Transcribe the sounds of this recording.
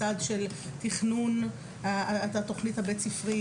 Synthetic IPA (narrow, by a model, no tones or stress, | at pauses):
adʃel | tiχnun | aat̪oχnithabet͡sifʁi